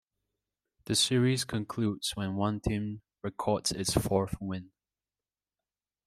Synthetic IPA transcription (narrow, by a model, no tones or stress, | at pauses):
ðəsiɹiz̥kʰə̃nkʰl̥ʉdz̥wə̃nwʌ̃ntʰĩm | ɹɪkʰɔɹtsɪtsfɔɹθwɪ̃n